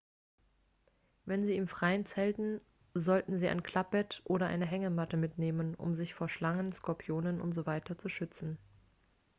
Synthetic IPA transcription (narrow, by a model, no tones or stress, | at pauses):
vɛnziːiːmfʁ̥aɪənt͡sɛltn̩ | zɔltn̩ziːʔa̰ɪnkʰl̥ap̚b̥ɛtʔoːɾɐʔa̰ɪnəɦɛŋəmatəmɪtneːmənʊ̰mzɪçfoːɐʃlaŋənskɔɐpʰijoːnənʔʊ̰ntz̥ovaɪtʰɐt͡suʃʏt͡sn̩